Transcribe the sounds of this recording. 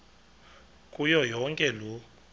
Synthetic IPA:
kʼujɔjɔŋkʼɛlu

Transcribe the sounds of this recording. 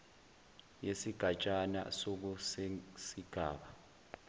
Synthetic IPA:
jesiɡ̥ʱat͡ʃʼana̰sok̬usesiɡ̥ʱaːɓa

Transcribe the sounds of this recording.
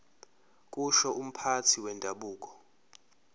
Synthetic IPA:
k̬ʼuʃɔʔum̩pʰatʰiwɛndʱaɓuːk̬ʼɔ̥

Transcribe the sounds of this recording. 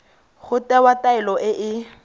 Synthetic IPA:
ɣʊtɛwataɪlɔʔɪʔɪ

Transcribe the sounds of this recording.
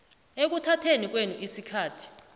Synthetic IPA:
ek̬utʰatʰenik̬wenuʔisikʰaːtʰi̥

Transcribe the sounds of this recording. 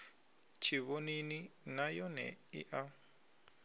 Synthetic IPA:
t͡ʃʰiβonininajɔnɛ̰ḭʔa

